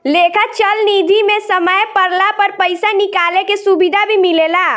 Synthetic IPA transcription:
lekʰat͡ʃəlnid̪ʱimẽsəməjpəɾlapəɾpəɪsanikaːlekesubid̪ʱabʱimilela

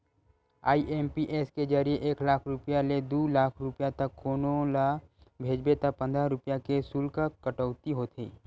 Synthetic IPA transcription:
a̰ːiʔeːmpiʔeːsked͡ʒəɾijeʔeːklaːkʰɾʊpjaled̪uːlaːkʰɾʊpjat̪ɐkːoːnolabʱeːd͡ʒbet̪apə̃nd̪ʱɾaɾʊpjakesuːlkakɐʈəʊt̪iɦoːt̪ʰiː

